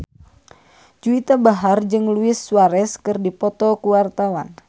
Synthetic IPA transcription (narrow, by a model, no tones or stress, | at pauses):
d͡ʒuit̪abaɦard͡ʒɨŋluɪsːuaɾɛskɨrdipɔt̪ɔkuwart̪awan